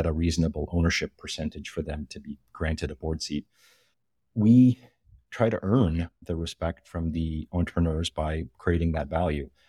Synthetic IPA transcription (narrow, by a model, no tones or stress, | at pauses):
ɨɾəɹiznəbl̩ˠõʊnə˞ʃɪpʰːə˞sɛ̃ntɨd̥ʒ̥fə˞ðɨ̃mtʰɨbiɡ̥ɹæ̃ntɨɾəbɔɹd̥sit̚ | wi | tʰɹ̥aɪɾɨ̰ʔɜ̃˞nðɨɹɨspɛk̚tfɹʌ̃mðiɑ̃ntʰɹ̥ɨnə˞zbaɪkʰɹ̥ieɪɾɪ̃ŋðɨtvælˠjʉ